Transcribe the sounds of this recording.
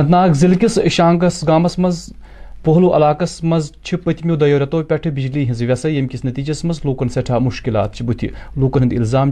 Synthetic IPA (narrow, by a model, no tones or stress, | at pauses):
ɐnt̪naːkzilkʲisʃaːŋɡɐsɡaːmɐsmɐz | poɦluʔɐ̰laːkɐsmɐzt͡ʃʰipːɐt̪ʰimʲjoːd̪ɐjoːɾʲɐt̪oːpʲɐʈʰɨbid͡ʒliːɦinzɨʋʲɐsɐjɐmʲkʲisnɐt̪iːd͡ʒɐsmɐzluːkɐnsɐʈʰaːmuʃkila̰ːt̪̚t͡ʃʰibut̪ʰḭluːkɐnɦɐnd̪ḭlzaːm